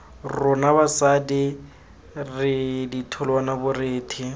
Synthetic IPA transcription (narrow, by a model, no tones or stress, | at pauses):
rʊnabasadɪ | rɪditʰʊlwanabʊreːtʰɪ